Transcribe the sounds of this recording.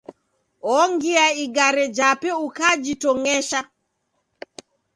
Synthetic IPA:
ɔŋɡiaiɡaɾɛd͡ʒapɛukad͡ʒitɔŋɛʃa

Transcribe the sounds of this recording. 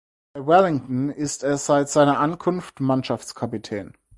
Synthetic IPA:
b̥aɪwɛlɪŋtn̩ɪstɛsz̥aɪtz̥aɪnɐʔankʰʊnftmanʃaft͡skʰapitʰɛːn

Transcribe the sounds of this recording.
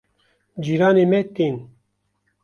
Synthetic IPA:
d͡ʒiːɾɑːnemɛt̪in

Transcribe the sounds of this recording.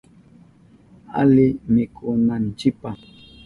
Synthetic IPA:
a̰limikʼonan̩t͡ʃipa

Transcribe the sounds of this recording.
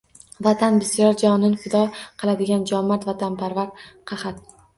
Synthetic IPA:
vat̪ʰanbɪsijɒɾd͡ʒɒnɪnfɪd̪ɒqʰɨlˠad̪ɪɡʲand͡ʒɒmːaɾt̪vat̪ʰanpʰaɾvaɾt̪qʰɑχat̪

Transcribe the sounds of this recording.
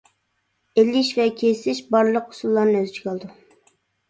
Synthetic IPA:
elɪʃvɛkʲʰesɪʃbɑɾlˠəqʊ̥sulˠːɑɾnɨøzt͡ʃʰiɡʲɑlˠd̪u

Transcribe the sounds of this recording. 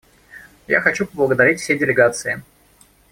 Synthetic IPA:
ja̰xɐt͡ɕupəblˠəɡəd̪ɐɾʲitʲfsʲejdʲɪlʲɪɡat̪sɨɪ

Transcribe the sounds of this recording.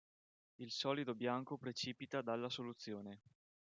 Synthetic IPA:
ilsɔːlid̪objaŋkopɾet͡ʃiːpit̪ad̪alːasolut̪sːjoːne

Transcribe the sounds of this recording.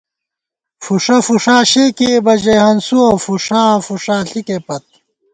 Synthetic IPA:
fuʂɐfuʂaːɕeːkeːbɐʑehɐnsuɐfuʂãːfuʂaːɬikepɐt̪̚

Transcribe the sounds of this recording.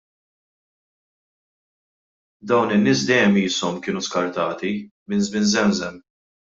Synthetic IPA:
d̪ɐwnɪnːɪːs̬d̪ɛjɛmiːsɔmkɪːnuskɐɾt̪ɐːt̪imɪnzmɪnzɛmzɛm

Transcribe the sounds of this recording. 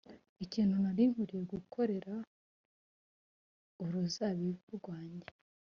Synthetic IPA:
iciːnhunaɾiŋuɾijeɾɡukʰo̞ɾe̞ɾa | uɾuzaβiuɾɡwaːɲɟe

